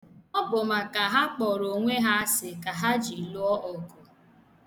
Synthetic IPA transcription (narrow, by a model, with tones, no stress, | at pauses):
ɔ˦bʊ˨ma˨ka˨ɦa˦k͡pɔ˨ɾo˨ŋʷe˦ɦa˦sɪ˨ka˨ɦa˦d͡ʒi˨lʊ˦ɔ˦ʔɔ˨kʊ˨